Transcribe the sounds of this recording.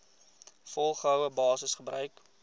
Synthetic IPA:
fɔlˠχəɦœwəbɑːsəsχəbrœɥk

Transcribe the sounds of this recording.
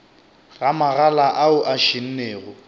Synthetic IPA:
ɣamaɣalaʔaʊʔaʃin̩neːɣʊ

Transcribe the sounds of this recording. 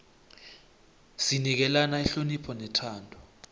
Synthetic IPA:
sinik̬ɛlanaɛɬonipʰɔnɛtʰaːndʰʱɔ̥

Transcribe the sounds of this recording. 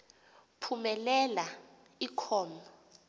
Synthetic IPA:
pʰumɛlɛla | ikʰɔːnɔ

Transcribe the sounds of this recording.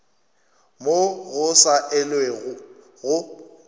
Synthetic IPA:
moɣʊsaʔɪlweɣʊ | ɣʊ

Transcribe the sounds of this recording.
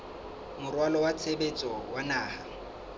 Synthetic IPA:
mʊrwalɔwat͡sʰebet͡sʼɔwanaːha

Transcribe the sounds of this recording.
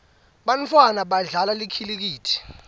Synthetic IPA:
ɓant͡fʰwanaɓaɮalalikʰilik̬iːtʰi̥

